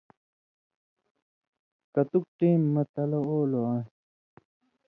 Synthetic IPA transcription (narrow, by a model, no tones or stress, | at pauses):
kɐt̪uk̚ʈĩːmːɐt̪ɐlɐoːloan